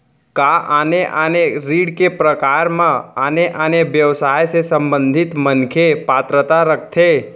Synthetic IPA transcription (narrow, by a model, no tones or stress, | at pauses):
kaʔaneʔaːneɾiːɽkepɾəkaːɾmãaneʔaːneʋjəʋsaːjsesə̃mbə̃nd̪ʱɪt̪mənkʰepaːt̪ɾət̪aɾək̚ʰt̪ʰe